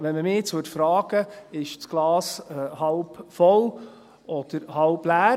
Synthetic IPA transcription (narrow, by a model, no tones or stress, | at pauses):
ʋɛnməmɪːt͡sʊtfɾɑːɡ̥əɪʃt͡sɡ̥lɑːshɑwbfɔl | ɔd̪̥əɾhɑwblæː